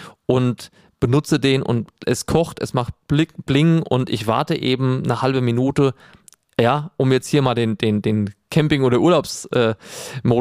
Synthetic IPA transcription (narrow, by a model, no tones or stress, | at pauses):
ʔʊnt | b̥ənʊt͡sədeːnʔʊ̰ntʔɛskʰɔχtɛsmaχt̚ɪb̥lɪŋʔʊ̰ntʔɪ̰çv̥a̰ɐtəʔeːbm̩nəhalbəminuːtə | jaːʔʊmjɛt͡sthiːɐmaːldeːndeːndeːnkʰɛmpɪŋʔoːɾɐʔuɐlaʊpsʔɛːmoː